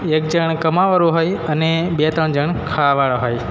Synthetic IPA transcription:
ek̚d͡ʒəɳkəmaʋəɾũɦojənebet̪əɳd͡ʒəɳkʰaʋaɭaɦoj

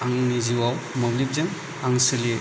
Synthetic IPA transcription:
aŋniziwawmablip̚zɯŋ | aŋsɯli

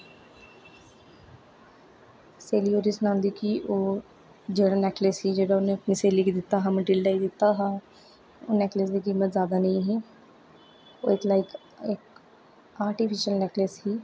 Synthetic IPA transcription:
seːlioːɾisnãːnd̪ikiʔoː | d͡ʒeːɽaːnɛːkleshiːd͡ʒeːɽaːʊnẽəpniseːliːkd̪ɪt̪ːaːɦãːməʈɪlɖaːid̪ɪt̪ːaɦãː | oːnɛːkles̬d̪iːkiːmət̪zjaːd̪aːnəĩɦiː | o̰ːɪt̪laːɪk | ɪk | aːɾʈipʰɪʃəlnɛkleshiː

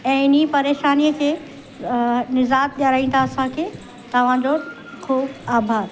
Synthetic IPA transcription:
ɛ̃ːɪnipɐɾeːʃaːnijəkʰeː | nɪzaːt̪̚ʄaɾaːĩːnt̪ʰaɐsãkʰeː | t̪ɐʋ̤ãd͡ʑo | xuːbaːbʱaːd̪

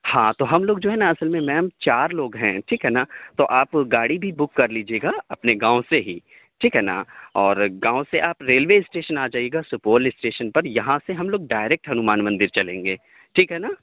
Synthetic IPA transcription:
hãːt̪oɦɐmloːɡ̚d͡ʒoːɦɛnaɐsəlmẽmɛ̃ːmt͡ʃaːɾloːɡɦɛ̃ʈʰiːkɦɛnat̪oʔaːpɡaːɽibʱibʊkːɐɾliːd͡ʒieːɡaɐpneɡãːõseɦiː | ʈʰiːkɦɛːna̰ɔːɾɡãːõseʔaːpɾeːlʋeːɪsʈeːʃənaːd͡ʒaːieːɡasʊpoːlɪsʈeːʃənpɐɾjɐɦãseɦɐmloːɡ̚ɖaːɪɾeːk̚ʈɦɐnʊmaːnmɐ̃nd̪ɪɾt͡ʃɐlẽːŋɡeː | ʈʰiːkɦɛnaː

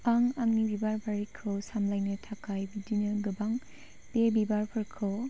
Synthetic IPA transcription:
aŋaŋnibibaɾbaɾikʰɯwsamlajnɯtʰakajbidinɯɡɯbaŋ | pebibaɾpʰɯɾkʰɯw

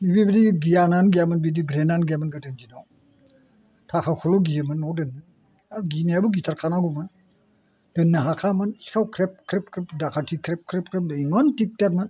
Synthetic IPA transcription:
nibibidiɡijananɡijamɯnbidiɡɾenanɡiamanɡadɯnd͡ʒinaw | tʰakʰakʰɔlɔɡijɯmɯnːɔwdɯnːɯ | aɡineabuɡitʰaɾkʰanaɡuman | d̥ɯnːɯɦakʰamɯnsi̥kʰawkʰɾep̚kʰɾep̚kʰɾepdakʰatʰikʰɾep̚kʰɾep̚kʰɾep̚dɯiŋɔntik̚taɾmɯn

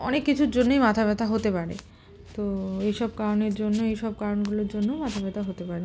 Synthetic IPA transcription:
ɔ̰nekːit͡ɕʰuɾd͡ʑonːojmat̪ʰaβɛt̪ʰaɦot̪epaɾḛ | t̪oejʃɔb̚kaɾoneɾd͡ʑonːoejʃɔb̚kaɾonɡuloɾd͡ʑonːomat̪ʰabɛt̪ʰaɦot̪epaɾe

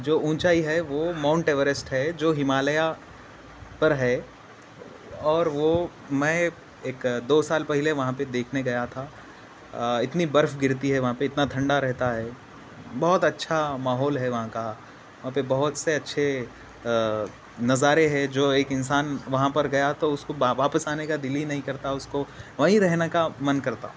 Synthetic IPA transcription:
d͡ʒoːũːt͡ʃaːiɦɛʋomãːʊ̃ɳʈeːʋəɾɪsʈɦɛd͡ʒoːɦɪmaːləja | pɐɾɦɛː | ɔːɾʋo | mɛ̃ː | eːkd̪oːsaːlpɛɦɪleʋɐɦãped̪eːkʰneɡɐjat̪ʰa | ɪt̪nibɐɾfɡɪɾt̪iɦɛʋɐɦãpeɪt̪nat̪ʰɐ̃ɳɖaɾɛɦt̪aɦɛ | bɐɦʊt̪ɐtːʃʰamaːɦɔːlɦɛʋɐɦãka | ʋɐɦãpebɐɦʊt̪seɐtːʃʰe | nɐzaːɾeɦɛd͡ʒoːeːkɪnsaːnʋɐɦãpɐɾɡɐjat̪oʊskoʋaːpəsaːnekad̪ɪlːinɐɦĩkɐɾt̪aʊskoʋɐɦĩɾɛɦnakamɐnkɐɾt̪a̰ɦũ

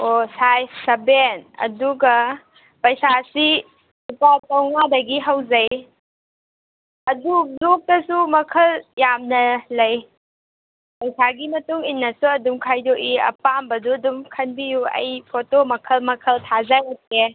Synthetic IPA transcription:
osajsɐbenɐ̰duɡɐ | pɐjsasi | supatɐwŋadɐɡiɦawzɐj | ɐdudok̚tɐsumɐkʰɐljamnɐlɐj | pɐjsaɡimɐtuŋinːɐsuɐdumkʰajdoʔiɐ̰pambɐduɐdumkʰɐnbijuɐ̰jpʰotomɐkʰɐlmɐkʰɐltʰazajat̚e

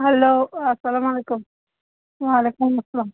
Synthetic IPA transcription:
ɦaloːasalamalekʊm | walekʊmɐsɐlaːm

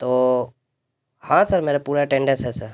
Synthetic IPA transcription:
t̪oː | hãːsəɾmeːɾapuːɾaʈẽɳɖɛ̃nsɦɛːsəɾ

